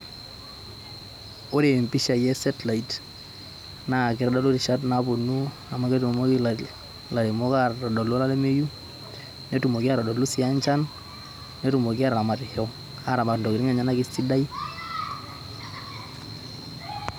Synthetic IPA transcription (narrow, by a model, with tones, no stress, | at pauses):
o˦ɾe˨mpi˦ʃa˨jɛ˦sɛ˦tla˨i˨t | na˨kɪ˨ɾɔ˦dɔ˦lo˦ɾi˨ʃa˦t̬nabu˨nu˦ | a˨ma˦ke˦tu˨mo˦k | la˨ɾi˨mɔ˦kaɾɾɔ˨dɔ˨lo˦la˦lɛ˦me˦ju˦ | ne˦tu˨mo˨ki˦a˦˨ɾɔ˨dɔ˨lu˦si˦a˦ɲt͡ʃa˦n | ne˦tu˨mo˨ki˦a˦ɾa˨ma˨ɾhɔ˦ŋ | a˨ɾa˨ma˨ɾndɔ˨ki˨ɾi˦ŋa˨ɲa˦na˦ki˦si˦da˦i˦